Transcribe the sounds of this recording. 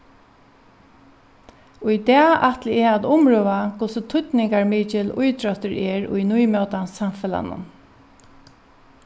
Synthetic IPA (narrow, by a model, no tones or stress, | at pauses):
ʊjd̪ɛːaht̪lɪɛɹad̪ʊmɹoʋakʰʊsət̪ʰʊt̪nɪŋkaɹmiːt͡ʃɪlʊ̰jt̪ɹœht̪əɾɛɹʊ̰jnujmœwt̪ansamfɛla̰nʊ̰n